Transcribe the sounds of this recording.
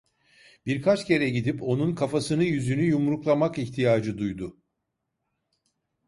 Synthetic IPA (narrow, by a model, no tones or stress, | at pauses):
b̥iɾkʰat͡ʃcʰe̞ɾɛɟid̪ipo̞nunkʰafasɯnɯjyzynyjumɾuklˠamakiçt̪ʰijaːd͡ʒɯd̪ujd̪ʊ